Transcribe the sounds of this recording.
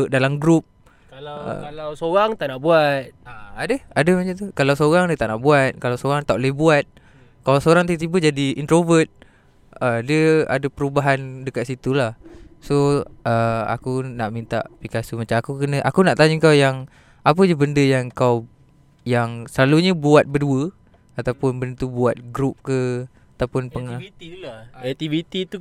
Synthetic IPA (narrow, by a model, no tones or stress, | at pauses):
dalamɡɾup̚ | kal̰alawsoɾaŋt̪aʔnaʔbuat̪̚aadəadəmat͡ʃat̪ukalawsoɾaŋdiət̪aʔnaʔbuat̪̚kalawsoɾaŋt̪aʔlehbuat̪̚ | kalawsoɾaŋt̪it̪ibəd͡ʒadiint̪ɾovət̪̚ | ədiəa̰dəpəɾubaɦandəkat̪̚sit̪ulahsoʔəa̰kunaʔmint̪a̰ʔpikasumat͡ʃamakukənə̃ʔakunaʔt̪aɲuŋkawjaŋ | ap̬əd͡ʒubəndəjaŋkaw | jaŋsəlaluɲəbuat̪̚bəduə | at̪awpʊnbənt̪ubuat̪̚ɡɾup̚kə | at̪awpʊnpəŋat̪iɛt̪ivit̪it̪u